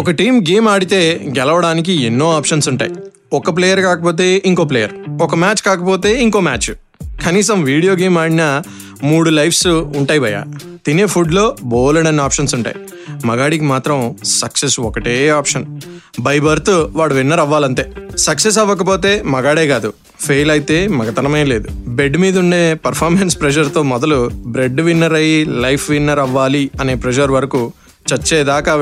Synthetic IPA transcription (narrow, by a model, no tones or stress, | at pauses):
ɔkɐʈiːmɡeːmaːɽit̪e̞ːɡɛlɐʋɐɽaːnik̬ienːo̞ːaːpʂɐnsuɳʈa̰ːji | ɔkɐp̬leːjɐɾkaːkɐpoːt̪̬e̞ːʔiŋko̞ːp̬leːjɐɾɔkɐmaːt͡ʃkaːkɐpoːt̪e̞ːiŋko̞ːma̰ːt͡ʃ | kɐniːsɐmʋiːɽijo̞ːɡe̞ːmaːɽinɐ | muːɽulɐjpsuɳʈaːjiʋɐja̰ː | t̪ine̞ːpʰuɖlo̞ːboːlɐɽɐnːiaːpʂɐnsuɳʈa̰ːji | mɐɡaːɽikimaːt̪ɾɐmsɐksesɔkɐʈeːaːpʂɐn | bɐjbɐɾt̪uʋaːɽuʋinːɐɾɐʋːaːlɐɳt̪e̞ːsɐkses̬ɐʋːɐk̬ɐpo̞ːt̪e̞ːmɐɡaːɽeːɡaːd̪u | pʰejlɐjt̪e̞ːmɐɡɐt̪ɐnɐmeːle̞ːd̪ube̞ɖːmiːd̪ɐuɳɖeːpɐɾpʰaːɾmenspɾeʃɐɾt̪o̞ːmɔd̪ɐlubɾeɖːʋinːɐɾɐjilɐjpʰʋinːɐɾɐʋːaːliɐne̞ːpɾed͡ʒɐɾʋɐɾɐku | t͡ʃɐɾt͡ʃːɛːd̪aːkaː